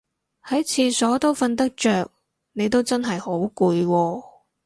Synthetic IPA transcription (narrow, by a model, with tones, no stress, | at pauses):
hɐ˨˥jt͡sʰiː˨˧sɔː˨˥t̪o˥wfɐ˧nt̪ɐ˥k̚t͡ʃœː˨k̚ | ne˨˧jt̪o˥wt͡sɐ˥nɦɐ˨jho˨˥wkuː˧jwɔː˧